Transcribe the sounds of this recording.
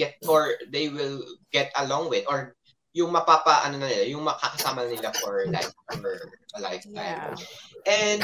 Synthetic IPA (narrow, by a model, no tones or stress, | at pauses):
ɛt̪̚ʔɔɹd̪ejwɪlɡɛt̪ɐlɔ̃ŋwɪd̪ɔɹ | jʊŋmɐpaːpɐʔɐnonɐnɪlajʊŋmɐkɐkɐsaːmɐnɪlafɔɹla̰jffɛlajft̪a̰jmʔɛn